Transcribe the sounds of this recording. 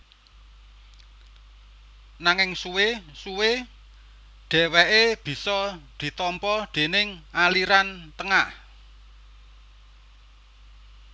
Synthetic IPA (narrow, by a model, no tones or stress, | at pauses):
naŋɪŋsuwesuwe | ɖ̥ɛ̤wɛʔeb̥i̤sɔd̪̥i̤t̪ɔmpɔd̪̥e̤nɪŋaliɾant̪əŋah